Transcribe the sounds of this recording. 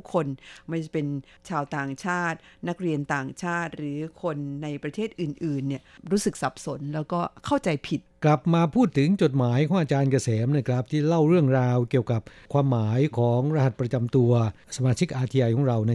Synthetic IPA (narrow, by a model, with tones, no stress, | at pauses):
u˥kʰːo˧nma˥˩pe˧n | t͡ɕʰaː˧wt̪aː˨˩ŋt͡ɕʰaː˥˩t̪̚na˦˥k̚ɾi˧ənt̪aː˨˩ŋt͡ɕʰaː˥˩t̪̚ɾɯː˩˦kʰo˧nːa˧jpɾa˧t̪ʰeː˥˩t̪̚ʔɯː˨˩nʔɯː˨˩nːi˥˩ɐ | ɾuː˦˥sɯ˨˩k̚sa˨˩p̚so˨˩˦nlɛː˦˥wkɔː˥˩kʰa˥˩wt͡ɕa˧jpʰi˨˩t̪̚kla˨˩p̚maː˧pʰuː˥˩t̪ʰːɯ˩˦ŋt͡ɕo˨˩t̪̚maː˩˦jkʰɔː˩˦ʔaː˧t͡ɕaː˧nka˧˩sɛː˩˦mnaː˥˩kʰɾa˦˥p̚t̪ʰiː˥˩la˥˩wɾɯ˥˩əŋɾaː˧wki˨˩əwka˨˩p̚kʰwaː˧mːaː˩˦jkʰɔː˩˦ŋɾa˧ha˨˩t̪̚pɾa˧t͡ɕa˧mt̪u˧ɐ | sa˧maː˧t͡ɕʰi˦˥k̚ʔaː˧t̪ʰi˧aː˧jkʰɔː˩˦ŋɾa˧wna˦˥